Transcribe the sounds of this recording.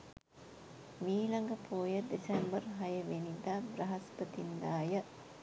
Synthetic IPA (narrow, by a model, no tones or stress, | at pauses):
miːlɐŋɡɐpʰoːjəd̪esɛmbərɦɐjəʋenid̪ab̪ɾɐɦɐspət̪ind̪aːjə